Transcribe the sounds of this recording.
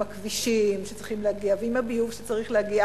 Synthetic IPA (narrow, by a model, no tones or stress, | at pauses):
akviʃimʃet͡sʁiχimlehaɡiaveimabijuvʃe̥t͡saʁiχleaɡia